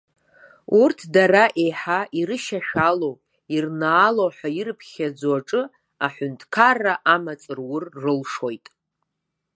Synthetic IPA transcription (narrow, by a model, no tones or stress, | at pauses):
urtʰdaɾaʔe̞jħaʔiɾɨʃaʃᶣalo̞w | irnaːlowħʷᶣairɨpʰχʲad͡zaʈ͡ʂʼɨ | aħʷʊntʰʼkʰarːaʔamat͡sʼɨrwʊrːɨlʂo̞jtʼ